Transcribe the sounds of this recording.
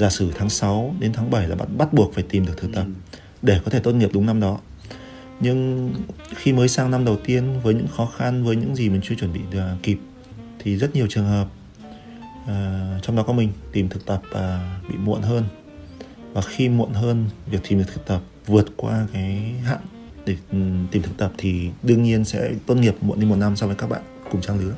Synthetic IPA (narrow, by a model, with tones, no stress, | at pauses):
zaː˧˩sɨ˧˩t̪ʰaː˨˦ŋsa˨˦wɗe˨˦nt̪ʰaː˨˦ŋɓə˧˩jlaː˨˩ɓa̰ː˧˨nɓa˦˥t̚ɓu˨˩ək̚faː˧˩jt̪i˨˩mɗəkt̪ʰɨ˨˩k̚t̪ə˨˩p̚ | ɗe˧˩kɔ˨˦t̪ʰe˧˩t̪o˧nŋi˨˩əp̚ɗʊ˨˦ŋ͡mna˧mɗɔ˨˦ | ɲɨ˧ŋ | xi˧məː˨˦jsaː˧ŋna˧mɗə˨˩wt̪i˧ənvəː˨˦jɲɨ̰˧˥ŋxɔ˨˦xa˧nvəː˨˦jɲɨ̰˧˥ŋzi˨˩mï˨˩ŋ̟t͡ɕɨ˧ət͡ɕwə˧˩nɓḭ˧˨aː˨˩ki˨˩p̚ | t̪ʰi˨˩zə˦˥t̚ɲi˨˩əwt͡ɕɨ˨˩əŋɦəː˨˩p̚ | ʔːt͡ɕɔ˧wŋ͡mɗɔ˨˦kɔ˨˦mï˨˩ŋ̟t̪i˨˩mt̪ʰɨ˨˩k̚t̪ə˨˩p̚vaː˨˩ɓḭ˧˨mṵ˧˨ənɦəː˧n | vaː˨˩xi˧mṵ˧˨ənɦəː˧nvi˨˩ək̚t̪i˨˩m˨˩t̪ʰɨ˨˩t̪ə˨˩p̚vɨ˨˩ət̚kwa̰ː˧kaː˨˦jɦa̰ː˧˨ŋ | ɗe˧˩t̪i˨˩t̪ɨ˨˩k̚t̪ə˨˩p̚t̪ʰi˨˩ɗɨ˧əŋɲi˧ənsɛ̰˧˥t̪wə˧nŋi˨˩əp̚mṵ˧˨ne˧mo˨˩na˧msɔ˧viː˨˦kaː˦˥k̚ɓa̰ː˧˨nkʊ˨˩ŋ͡mt͡ɕaː˧ŋlɨ˨˦ə